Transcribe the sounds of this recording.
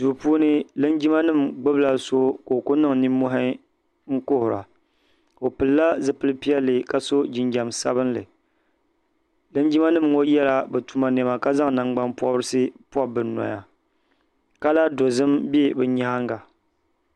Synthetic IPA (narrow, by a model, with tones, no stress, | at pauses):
du˨pu˦nɨ˦lɨ˦nd͡ʒi˦ma˦nɨ˦˨mɡ͡bɨ˦bla˨so˦ko˨kʊ˦nɨ˦ŋni˦mo˦ɦa˦ | ŋ̩˦ko˦hʊ˨ɾa̰˨ | o˨pɨ˨lla˦zɨ˨pɨ˦lɨ˦pi˦ɛ˦lːɨ˨ka˨so˦d͡ʒi˨nd͡ʒa˨msa̰˦βɨ˦nlɨ̰˨ | lɨ˦n˦d͡ʒi˦ma˦nɨ˦˨mŋo˦jɛ˦la˨bɨ˨tu˨ma˨n˨ɛ˨ma˨ka˦za˦ŋ˨na˨ŋ͡mɡ͡ba˦npɔ˦bɾɨ˦sɨ˦pɔ˦bɨ˨nɔ̰˨ja̰˨ | ka˦la˦do˨zɨ˦mbe˦bɨ˨ɲa˦ŋɡa˨